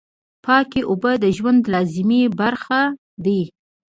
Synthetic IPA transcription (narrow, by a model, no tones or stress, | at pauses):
pɑkeʔobəd̪əʒwand̪lɑzɪmibaɾxa | d̪i